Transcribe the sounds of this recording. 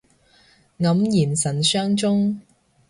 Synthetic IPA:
ŋɐ˨˥mjiː˨˩nsɐ˨˩nsœː˥ŋt͡sʊ˥ŋ

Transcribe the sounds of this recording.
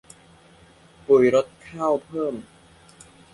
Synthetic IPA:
pu˨˩jɾo˦˥t̪̚kʰaː˥˩wpʰɤː˥˩m

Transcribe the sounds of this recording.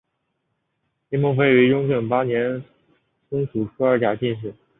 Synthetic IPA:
ɛ˥mʊ˥˩ŋfe˥˩ɪy˧˥ɻʊ˥ŋʈ͡ʂɤ˨˩ŋpa˥njɛ˧˥n | sʊ˥ŋsu˨˩ʈ͡ʂʰu˥ə˞˧˥t͡ɕja˨˩t͡ɕi˥˧nʂ̬ɻ̩˥˩

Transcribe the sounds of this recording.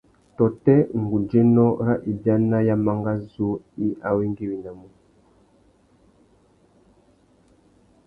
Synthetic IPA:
tɔ˨tɛ˦ŋ̩˨ɡu˨nd͡ʒɛ˦nɔ˦ɾa˦ʔi˨bja˦na˦ja˦ma˦ŋɡa˦zu˦ | i˦ʔa˨wi˦ŋɡi˦wi˨na˨mu˨

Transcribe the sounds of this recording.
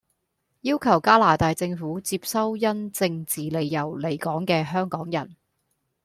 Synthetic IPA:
jiː˥wkʰɐ˨˩wkaː˥laː˨˩t̪aː˨˧jt͡sɪ˧ŋfuː˨˥t͡siː˧p̚sɐ˥wjɐ˥nt͡sɪ˧ŋt͡siː˨le˨jːɐ˨˩wle˨˩jkɔː˨˥ŋkɛː˧ɦœː˥ŋkɔː˨˥ŋjɐ˨˩n

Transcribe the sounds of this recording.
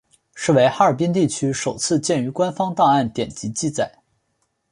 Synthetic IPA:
ʂɻ̩˥˩we˧˥ɪxa˥ə˞˨˩pi˥nt̪̬i˥˩t͡ɕʰy˥ʂo˨˩ʊt͡sʰɹ̩˥˧t͡ɕjɛ˥˩ny˧˥kwa˥nfɑ˥ŋt̪a˥˧a˥˩nt̪jɛ˨˩nt͡ɕi˧˥t͡ɕi˥˩t͡sa˨˩˦ɪ

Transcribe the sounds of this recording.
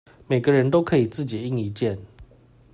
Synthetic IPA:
me˨˩ɪɡə˦ɻə˧˦nt̪o˥ʊkʰɤ˧˥i˨˩t͡sɹ̩˥˩t͡ɕi˨˩i˥˩ŋi˧˥t͡ɕjɛ˥˨n

